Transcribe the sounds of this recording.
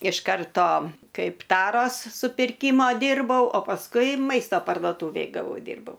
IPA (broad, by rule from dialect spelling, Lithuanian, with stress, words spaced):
ɪʃ ˈkɐrtoː ˈkɐɪp ˈtɑːroːs sʊpʲɪrʲˈkʲiːmoː ˈdʲiːrbɐʊ oː pɐsˈkʊɪ ˈmɐɪstoː pɐrduɔˈtuːʋʲeːj ɡɐˈʋɐʊ ˈdʲiːrbɐʊ